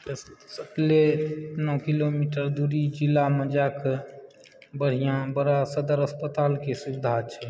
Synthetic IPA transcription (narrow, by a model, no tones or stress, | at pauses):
səklenɔkilomiʈəɾd̪uɾid͡ʒilːaməd͡ʒak | bəɽ̤ijãbəɾasəd̪əɾəspət̪aːlkesubid̪ʱat͡ʃʰɛ